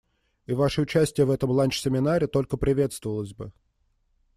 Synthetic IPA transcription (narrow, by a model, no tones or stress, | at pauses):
ivaʂəʊt͡ɕæsʲtʲɪjəvɛt̪əmlˠanʲt͡ɕsʲɪmʲɪnaɾʲɪt̪o̞lʲkəpɾʲɪvʲe̞t̪st̪vəvəlˠəzʲbɨ